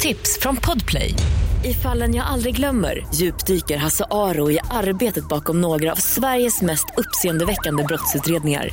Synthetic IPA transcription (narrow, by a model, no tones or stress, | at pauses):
t̪ʰɪpsfɾɔnpʰɔd̪pʰlɛ̰jɪfalːənjaːɡʔald̪ɾɪɡlœmːə̰ɾjʉ̟ːpd̪yːkəɾɦasaʔɑːɾʊɪʔaɾbeːt̪ət̪̚bɑːkɔmnoːɡɾa̰ːvsvæɾjəsmɛst̪ɵpːseːənd̪əvɛkːand̪əbɾɔt̪sʉ̟ːt̪ɾeːd̪nɪŋa̰ɾ